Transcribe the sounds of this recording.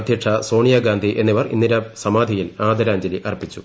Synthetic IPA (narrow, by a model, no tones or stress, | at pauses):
ɐd̪ʱjiʈʂʰɐso̞ːɳijɐɡaːnd̪ʱiʔe̞nːiʋɐrḭnːiɾɐsɐmaːd̪ʱijilaːd̪ɐɾaːɲd͡ʑɐliʔɐripːit͡ɕːu